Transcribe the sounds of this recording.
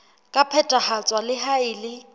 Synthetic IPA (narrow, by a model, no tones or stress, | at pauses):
kʼapʰɛtʼahat͡sʼwalɪɦaɪːlɪ